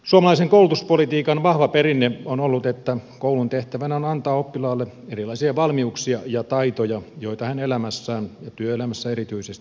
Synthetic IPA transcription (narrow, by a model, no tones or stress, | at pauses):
suɑmɑlɑiseŋkoulut̪uspolit̪iːkɑnʋɑhʋɑperinːeonolːut̪et̪ːækoulunt̪eht̪æʋænæonɑnt̪ɑːopːilɑːlːe | erilɑisiɑʋɑlmiuksiɑjɑt̪ɑit̪ojɑjoit̪ɑhænelæmæsːæːnjɑt̪yøelæmæsːæerit̪yisest̪i̥